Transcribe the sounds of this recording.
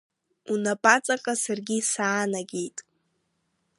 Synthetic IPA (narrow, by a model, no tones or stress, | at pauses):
unapʼat͡sʼaqʼasarɡʲisaːnaɡʲejtʼ